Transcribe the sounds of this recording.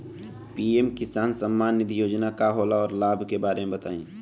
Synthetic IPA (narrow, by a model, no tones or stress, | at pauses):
piːeːmkɪsaːnsɐmːaːnːɪd̪ʱijoːd͡ʒnakaɦoːlaɔːɾlaːbʱkebaːɾemẽbɐt̪aːḭ̃ː